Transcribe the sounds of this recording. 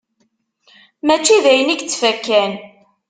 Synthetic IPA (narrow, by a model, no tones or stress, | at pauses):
mæt͡ʃːiðæjəniɡt͡sːfækːæn